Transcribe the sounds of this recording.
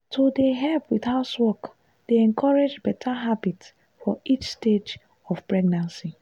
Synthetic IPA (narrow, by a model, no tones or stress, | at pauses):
tʰodeɦɛpwiθaʊtwɔk | d̥eɛ̃ŋkʰɔɹed͡ʒbɛtʰaɦabitss | fɔit͡ʃsted͡ʒ | ɔfpɹɛɡnãnsi